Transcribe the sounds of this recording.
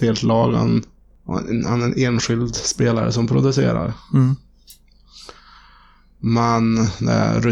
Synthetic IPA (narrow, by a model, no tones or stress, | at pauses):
eːlt̪lɑːɡa̰n | hanæɾɛneːnɧɪld̪speːlaɾə̰sɔmpʰɾʊd̪ɵsḛːɾa̰ɾ | mɛnd̪ɛ̰ɾɵ